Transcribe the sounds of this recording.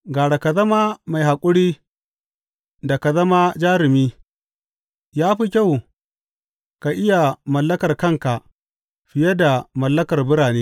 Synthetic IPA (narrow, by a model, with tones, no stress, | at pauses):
ɡaː˨ɽa˨ka˨zɐ˦ma˦ma˨jɦa˨kʷʼʊ˦ɽiː˦ | da˨ka˨zɐ˦ma˦d͡ʒaː˦ɾɪ˨miː˦ | jaː˦ɸi˦kʲa˦˨w | ka˨ʔɪ˦ja˨mɐ˨lːɐ˦kɐ˨rkɐ˦ŋka˨ʔ | ɸɪ˨jɛ˦da˨mɐ˨lːɐ˦kɐ˨rbʊ˦ɽaː˨neː˦